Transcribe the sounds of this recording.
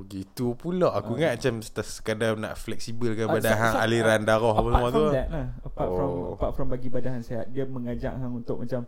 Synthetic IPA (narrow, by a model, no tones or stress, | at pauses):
bəɡit̪upulɔʔakuŋaʔmat͡ʃamsə̥t̪asə̥kadana̰ʔflɛk̚sibəlkabadaɦanaliɾandaɾɔɦapasəmuat̪udɛʔlahəpaʔɾɔmpaʔ̚fɾɔmbaɡibadaɦanseɦat̪̚diəməŋad͡ʒa̰ʔɦaŋunt̪ʊʔ̚mat͡ʃam